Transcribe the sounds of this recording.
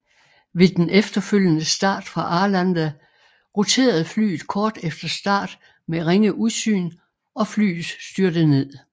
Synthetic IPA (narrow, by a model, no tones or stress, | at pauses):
ʋe̝d̥enʔefd̥ɐføl̰jənəsd̥ɑ̰̈ːd̥fʁɑ̈ʔɑ̈ːlænd̥æ | ʁot͡sʰe̝̰ːɐð̞̩ˠfly̰ːð̩ˠkʰɒːd̥efd̥ɐsd̥ɑ̰̈ːd̥ | meʁeŋəʔuðˠsy̰ːn | ɒ̽fly̰ːð̩ˠsːd̥yɐd̥əne̝ð̰ˠ